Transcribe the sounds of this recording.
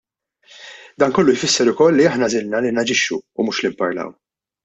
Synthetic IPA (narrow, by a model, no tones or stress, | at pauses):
d̪ɐːnkɔlːʊjfɪsːɛɾʊkɔlːiɐħnɐzɪlnɐlinɐd͡ʒɪʃːṵːmuːʃlimpɐ̰ɾlɐ̰w